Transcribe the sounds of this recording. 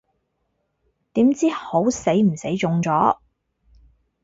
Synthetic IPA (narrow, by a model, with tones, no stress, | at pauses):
t̪iː˨˥mt͡siː˥ho˨˥wse˨˥jm̩˨˩se˨˥jt͡sʊ˨˧ŋt͡sɔː˨˥